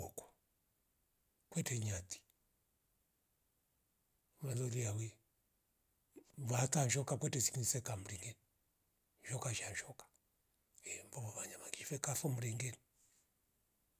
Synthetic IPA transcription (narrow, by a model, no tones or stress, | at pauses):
ɔkɔ̥ | kwɛtɛɲati̥ | malɔliawɛ | βatanʃɔkakwɛtɛsi̥knsɛkamuɾiŋɡɛni | ʃɔkaʃanʃɔkḁ | ɛmbɔβɔβaɲamaŋɡifɛkafɔm̩ɾiŋɡɛni